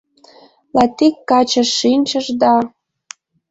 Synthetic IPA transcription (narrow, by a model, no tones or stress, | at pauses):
lɑt̪ikːɑt͡ɕəʃːinʲt͡ɕəʒd̪ɑ